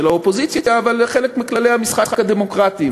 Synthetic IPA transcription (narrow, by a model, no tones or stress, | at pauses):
elaopo̞zit͡sjajaːvalχelekmiklale̞jhamisχaχakad̪emo̞kʁat̪i